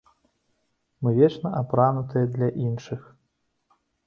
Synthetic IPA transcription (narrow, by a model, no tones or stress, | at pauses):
mɨvʲɛt͡ʂnɐʔapɾanut̪ɨjɐd̪lʲɐʔinʂɨx